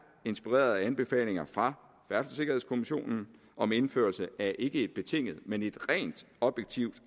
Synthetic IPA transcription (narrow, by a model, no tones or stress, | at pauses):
e̝nsb̥iʁḛːɐð̞ˠænb̥e̝fɛ̰ːle̝ŋɐfʁɑ̈ | fæɐ̥səse̝ɡ̥ɐɦe̝̰skʰo̝miɕo̝̰ːnn̩ | ɒ̽me̝nfø̰ːɐlsəæɐʔe̝ɡ̥əe̝d̥̚b̥e̝t͡sʰe̝ŋ̰əð̩ˠmene̝d̥ʁɛ̰ːnd̥ | ɒ̽b̥jeɡ̥t͡sʰiʊd̥